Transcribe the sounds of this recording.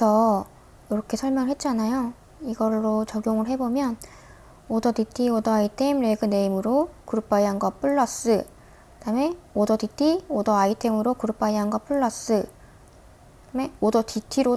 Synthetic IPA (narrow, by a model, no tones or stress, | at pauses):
sʰʌ | jʌɾʌkʰe̞sʰʌɭmjʌŋɯɭɦe̞t̚t͡ɕ͈anajo | iɡʌɭːot͡ɕʌɡjoŋɯɭɦe̞bomjʌn | odʌtitʰiodʌaitʰemɾe̞ɡɯne̞imɯɾokuɾɯp͈aiaŋɡʌp͈ʰuɭːʌs͈ɯ | kɯdame̞odʌtitʰiodʌaitʰe̞mɯɾokuɾup͈aiɦaŋɡʌp͈ʰɯɭːʌs͈ɯ | me̞odʌtitʰiɾo